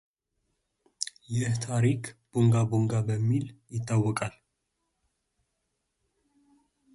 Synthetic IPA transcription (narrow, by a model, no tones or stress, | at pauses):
jɪht̪ʰaɾikʰb̥oŋɡaboŋɡabəmːiljɪt̪ʰːawːɔkʼal